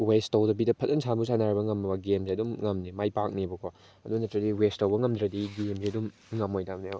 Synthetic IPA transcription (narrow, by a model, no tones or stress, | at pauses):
westowdɐbidɐpʰɐtɐnsʰambusanaɾibɐŋɐmɐmɐɡemziɐdumŋɐmnimajpak̚nibɐkʰɔ | ɐdunɐtɾɐdiwestowbɐŋɐmd̪ɾɐdiɡemziɐdum | ŋɐmojtabneo